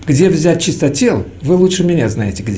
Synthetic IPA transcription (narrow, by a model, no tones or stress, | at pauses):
ɡdʲe̞vzʲæt̚ʲt͡ɕɪst̪ətʲelˠ | vɨlˠutʂɨmʲɪnʲaznajɪtʲɪɡdʲ